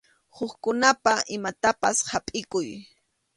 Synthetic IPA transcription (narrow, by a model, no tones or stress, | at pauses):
hʊχkʊnapaʔɪmat̪apashapʼɪkʊj